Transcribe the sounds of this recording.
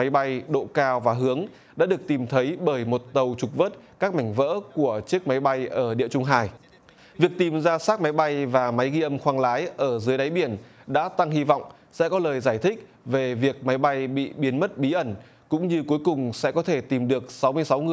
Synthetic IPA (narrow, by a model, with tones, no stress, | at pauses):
ma˨˦jɓa˧jɗo̰˧˨kaː˧wvaː˨˩ɦɨ˨˦əŋ | ɗa̰ː˧˥ɗɨ˨˩ək̚t̪i˨˩mt̪ʰə˨˦jɓəː˧˩jmo˨˩t̚t̪ə˨˩wt͡ɕʊ˨˩k̚vəː˦˥t̚kaː˦˥k̚ma˧˩jŋ̟və̰ː˧˥ku˧˩ət͡ɕɨ˦˥ək̚ma˨˦jɓa˧jʔəː˧˩ɗḭ˧˨ət͡ɕʊ˧ŋ͡mɦaː˨˩j | vi˨˩ək̚t̪i˨˩mzaː˧saː˦˥k̚ma˨˦jɓa˧jvaː˨˩ma˨˦jɣi˧ʔə˧mxwaː˧ŋlaː˨˦jʔəː˧˩zɨ˨˦əjɗa˨˦jɓi˧˩ənɗa̰ː˧˥t̪a˧ŋhi˧va̰˧˨wŋ͡m | sɛ̰˧˥kɔ˨˦ləː˨˩jzaː˧˩jt̪ʰï˦˥k̚ | ve˨˩vi˨˩ək̚ma˨˦jɓa˧jɓḭ˧˨ɓi˨˦ənmə˦˥t̚ɓi˨˦ʔə˧˩n | kʊ̰˧˥ŋ͡mɲɨ˧ku˨˦əjkʊ˨˩ŋ͡msɛ̰˧˥kɔ˨˦t̪ʰe˧˩t̪i˨˩mɗɨ˨˩ək̚sa˨˦wmɨ˧əjsa˨˦wŋɨ˧˨